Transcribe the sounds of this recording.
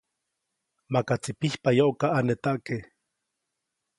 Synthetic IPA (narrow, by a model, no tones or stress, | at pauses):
makat͡sipihpajoʔkaʔanet̪aʔkeh